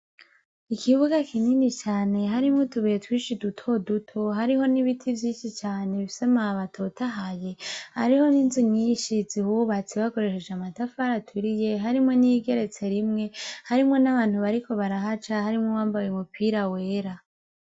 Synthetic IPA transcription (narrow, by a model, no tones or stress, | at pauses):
ikʰiβuɡakininit͡ʃaːne̞ɦaɾimŋotuβijetwiːʃidutʰo̞dutʰoɦaɾiɦo̞niβitʰivjiːnʃit͡ʃaːne̞βisemaβatʰotʰaɦaje̞ha̰ɾiho̞niːnzuɲiːnʃizihuβat͡siβako̞ɾe̞ʃed͡ʒamatafaɾatʰuɾije̞ɦaɾimŋo̞niɡe̞ɾe̞t͡se̞ɾimŋe̞haɾimŋe̞naβaːn̥huβaɾikʰo̞βaɾaɦat͡ʃahaɾimŋowaːmbajeumupʰiɾawe̞ːɾa